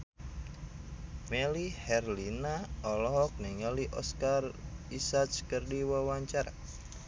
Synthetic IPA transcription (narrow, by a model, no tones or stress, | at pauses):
melihɛrlinaɔlɔɦɔk̚niŋəliʔɔskarisat͡ʃkərdiwawaɲt͡ʃaɾa̰